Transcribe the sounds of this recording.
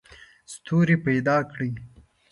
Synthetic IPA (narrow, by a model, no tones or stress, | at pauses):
st̪ʰuɾipajd̪ɑkɽi